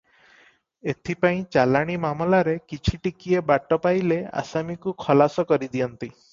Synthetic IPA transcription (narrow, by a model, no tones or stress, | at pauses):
et̪ʰipaĩt͡ʃalaɽ̃imamɔlaɾekit͡ʃʰiʈikiebaʈɔpajlea̰samikukʰɔlasɔkɔɾid̪ijɔnt̪i